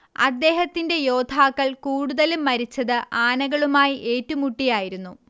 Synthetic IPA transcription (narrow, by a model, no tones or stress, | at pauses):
ɐ̰d̪ːe̞ːɦɐt̪ːinde̞jo̞ːd̪ʱaːkːɐɭkuːɽuðɐlumːɐɾit͡ɕːɐðɨʔaːnɐɣɐɭumaːjiʔe̞ːtːumuʈːijaːjiɾunːu